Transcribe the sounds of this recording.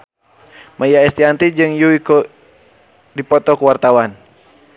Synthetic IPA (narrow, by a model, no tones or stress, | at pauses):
majaɛst̪iant̪id͡ʒɨŋjuikɔ | dipɔt̪ɔkuwart̪awan